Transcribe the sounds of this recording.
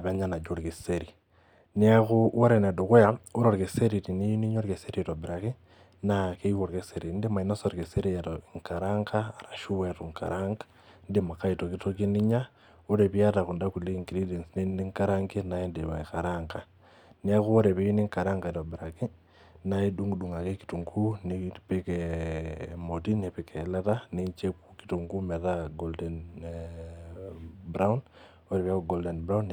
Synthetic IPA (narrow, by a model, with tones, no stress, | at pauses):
a˨βe˦ɲa˦na˨d͡ʒo˦ɾɣi˨seɾi | nia˦ɣuwo˦ɾene˨ndu˨kwe˦jao˦ɾo˨ɾɣe˨se˦ɾi˨ti˨ni˦i˦ni˦ɲo˦ɾɣese˦ɾietobiɾaki˦ | nake˦iwoɾkese˨ɾi˨ndi˦ma˨ino˦soɾɣe˨se˦ɾietoŋka˨ɾaŋɡaː˨ɾa˨ʃu˦wetu˨ŋka̰ɾʔaŋɡḁ | ndima˨kaito˨ki˦tokiniɲa | o˦ɾe˨βi˦a˦ta˨ɣu˨nda˦kule˦iŋɡiɾide˨nsine˦ndiŋka˦ɾaŋɡena˨e˦ndiβekaɾaŋɡa | ne˦a˦ku˦o˦ɾe˨βe˦i˦ni˦ŋka˨ɾa˦ŋɡa˨ito˨bɾaki˦ | nai˦du˦ŋudu˨ŋa˨ke˦ki̥tu˨ŋɡu˦nepekɛ | mo˨ti˦ne˨pekɛ˨la˦ta˦neɲt͡ʃe˦kuki̥to˨ŋɡu˦mɛ˨ðaɡoldɛn | bɾa˦un | oɾe˨βja˦kuɡoldɛ˨nbɾa˦u˦n